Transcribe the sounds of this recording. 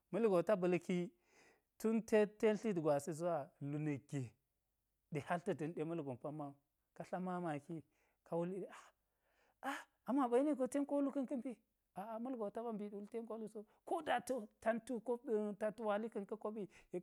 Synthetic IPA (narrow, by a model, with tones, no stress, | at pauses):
mə˦lɡo˨ta˦bə˨lki˦ | tu˦nte˦te˦ɬi˦dɡʷa˨si˦zu˦wa˦lu˨nə˨ɡʲe˨ | ɗe˨ha˦ltə˦dɨ˨nɗe˦mə˦lɡo˨mpa˦mːa˦˨ | ka˦ɬa˦ma˦ma˨ki˦ | ka˨wu˦li˦ɗe˦a˨ | a˦ | a˨ma˨ba˨ji˦ne˦ɡo˨te˦nko˦lu˦kə˦nkə˦mbi˦ | a˨mu˦lɡo˨ta˦ba˦mbi˦ɗu˨˦lte˦ko˦lu˦so˦ | ko˦da˨to˦ta˦ntu˦ko˦ə˦ta˦tu˦wa˦li˦kə˦nkə˦ko˦bi˦je˦